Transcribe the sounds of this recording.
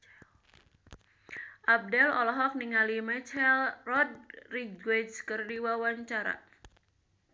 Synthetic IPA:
ʔab̚dɛlɔ̰lɔɦɔk̚niŋalimɛt͡ʃɛlrɔd̚riɡwedskɨrdiwawaɲt͡ʃaɾa̰

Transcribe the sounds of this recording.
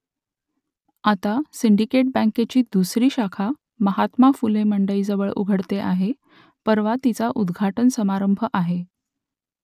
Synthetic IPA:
at̪asiɳɖikeʈ̚bə̃ŋket͡ɕiːd̪usɾiːɕakʰa | məɦat̪mafuleməɳɖəiːd͡zəʋəɭṵɡʱəɽt̪eʔaɦe | pəɾʋat̪it͡saʔud̪ɡʱaʈənsəmaɾəmbʱəʔaɦe

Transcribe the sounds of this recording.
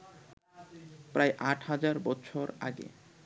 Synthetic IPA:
pɾaeʔaʈʰɦad͡ʑaɾbɔtːʃʰoɾa̰ɡḛ

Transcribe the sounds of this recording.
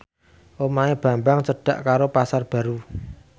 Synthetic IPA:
ʔomaeb̥ä̤mbaŋsəɖ̥a̤ʔkaɾopasarb̥a̤ɾu

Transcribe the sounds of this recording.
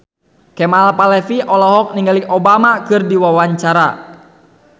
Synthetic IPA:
kɛmalpalɛfiʔɔlɔɦɔk̚niŋɡaliɔbamakɨrdiwawaɲt͡ʃaɾa

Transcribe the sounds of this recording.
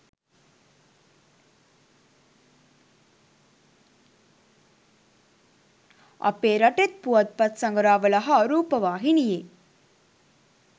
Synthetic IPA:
ɐ̰peːɾɐʈet̪̚puʋɐt̪̚pɐt̪sɐŋɡɾaːʋɐlɐɦɐaɾuːpɐʋaːɦinije

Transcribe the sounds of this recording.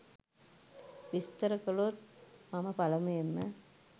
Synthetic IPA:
ʋist̪əɾəkəlot̪̚maməpalɐmujemːə

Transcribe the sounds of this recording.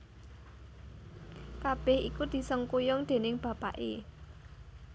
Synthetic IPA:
kab̥ɛhḭkud̪̥i̤səŋkujʊŋd̪̥e̤nɪŋb̥ä̤pa̰ʔḛ

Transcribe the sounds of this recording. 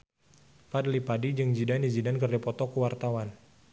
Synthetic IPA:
fadlipadid͡ʒɨŋd͡ʒidanizidankərdipɔt̪ɔkəwart̪awan

